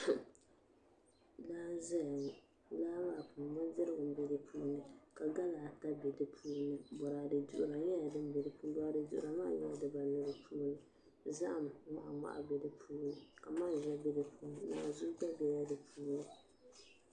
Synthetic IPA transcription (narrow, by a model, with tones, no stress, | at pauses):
laː˦za˦˨ | laː˦maː˦˨puː˨mɔ˦dɪ˦ɾɨ˦ɡʊ˨m˦bɛ˦dɨ˨pʰuː˦nɨ˨ka˨ɡa˦laː˨ta˦be˨dɨ˦pʰuː˦nɨ˨bɔ˨ɾa˨dɨ˨du˨ʔʊ˨ɾa˨jɛ˦ja˨dɨ˦m˦bɛ˨dɨ˨puː˦bɔ˦a˨dɨ˨du˨ʔʊ˨ɾa˨ma̰˦˨ɲɛ˦a˨dɨ˨ba˨nɨ˦ɾɨ˦pʰuː˦nɨ˨ | za˦ʔa˨m˨˦ma˦ʔŋa̰˨ʔa̰˨bɛ˦dɨ˦pʰuː˦nɨ˨ka˨ma˦˨ʒɛ˦bɛ˦dɨ˨puː˦nɨ˨na̰˨zu˦ɡ͡ba˦bɛ˦ja˦dɨ˨pʰuː˦nɨ˨